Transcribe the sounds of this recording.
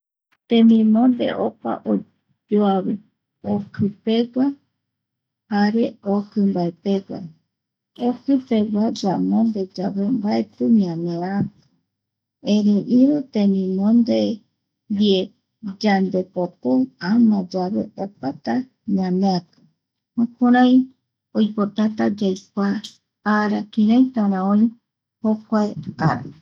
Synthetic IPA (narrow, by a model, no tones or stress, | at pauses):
t̪ẽmĩmõnd̪e̞̰ʔopa̰ʔo | d͡ʒoaβɨ | okɨpe̞ɡʷa | haɾeokɨmbaepeɡʷa̰ | okɨpe̞ɡʷad͡ʒamõnd̪ed͡ʒaβe̞mbaet̪ɨmĩãneɾḁ̃ | eɾeʔiɾot̪enĩmõnd̪e | d̪ie | d͡ʒand̪epopoamãd͡ʒaβḛopat̪a | ɲãneakɨ̥ | akuɾãj̃ | ojpot̪at̪ad͡ʒajkʷaː | ɾakĩɾãjt̪aɾãõĩ | hokʷaea̰ɾa̰